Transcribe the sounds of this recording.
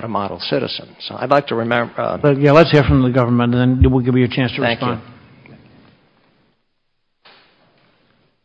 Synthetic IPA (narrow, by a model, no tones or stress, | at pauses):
ɾəmɑɾl̩ˠsɪɾɨ̰z̥ə̃nz̥a̰ɪdˡlaɪk̚tʰɨɹɨmɛ̃mbb̥ʌt̚jælətshiɹfɹʌ̃mðɨɡʌvə˞mə̃nðɨ̃ndɨwiɡɪvjə˞t͡ʃʰæ̃nstʰəɹɨspɑ̃nd̚